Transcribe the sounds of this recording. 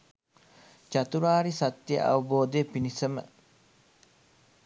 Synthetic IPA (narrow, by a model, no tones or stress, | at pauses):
t͡ʃɐt̪uɾaːɾisɐt̪ːjə̰ʔɐ̰ʋɐboːd̪epinisɐmə̰